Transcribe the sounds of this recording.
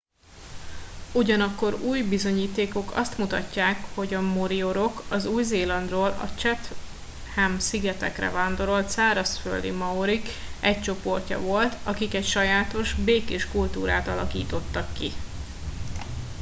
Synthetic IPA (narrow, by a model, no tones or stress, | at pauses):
uɟɒnɒkːo̞ɾuːjbizo̞ɲiːt̪eːko̞kɒ̰st̪mut̪ɒ̰cːaːkho̞ɟɒmoɾio̞ɾo̞kɒzuːjzeːlɒnd̪roːlɒ̰t͡ʃɛt̪ | hɛmsiɡɛt̪ɛ̰krɛ̰vaːnd̪o̞ɾo̞lt̪saːɾɒsfø̰lːḭmɒoɾik | ʔɛc̚t͡ʃo̞po̞rcɒ̰vo̞lt̪ɒkikɛcʃɒjaːt̪o̞ʒbeːkeːʃkult̪uːɾa̰ːt̪ɒlɒ̰kḭːt̪o̞t̪ːɒkːi